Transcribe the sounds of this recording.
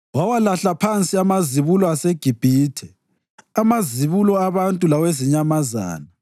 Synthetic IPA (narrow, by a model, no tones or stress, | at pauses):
wawalaɬapʰant͡sʼiamaziβulɔaseɡ̥ʱib̥ʱiːtʰɛ | amaziβulɔaβantʼulaweziɲamaza̰ːna